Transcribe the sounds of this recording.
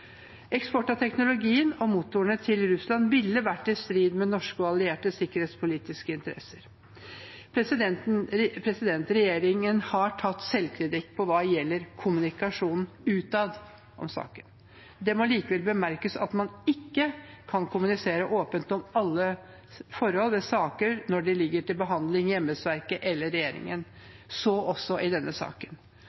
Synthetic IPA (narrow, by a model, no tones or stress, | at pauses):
ɛkspɔʈːɑt̪ʰɛknʊlʊɡiːənɔmut̪ːʊəɳət̪ʰɪlɾʉslɑnʋɪlːəʋæʈːɪst̪ɾiːd̪mɛnɔʂkəɑlɪeːʈəsɪkːəɾeːt̪spʰʊliːt̪ɪskəɪnt̪əɾɛ̰sːəɾ | pɛsɛpʰɾɛsɪd̪ɛnt̪ɾɛjeːɾɪŋənhɑʈʰɑt̪ːsɛlːkʰɾɪt̪ɪkːpʰɔʋɑːjɛlːəɾkʰʊmʉnɪkɑʂuːnn̩ | ʉːt̪ɑːd̪ | ʔɔ̰msɑ̰ːkən | d̪ɛmɔliːkəʋɛlbəmæɾkəsɑ̰t̪mɑnɪkːəkʰɑnkʰʊmʉnɪseːɾəʔoːpənt̪ɔmɑlːə | fɔɾhɔlʋɛsɑːkəɾnɔɖɛlɪɡːəʈɪlbəɦɑnd̪lɪŋjɛmːəsʋæɾkəʔɛlːəɾɛjeːɾɪ̰ŋən | sɔʔɔsːɔʔɪd̪ɛnːəsɑ̰ːkən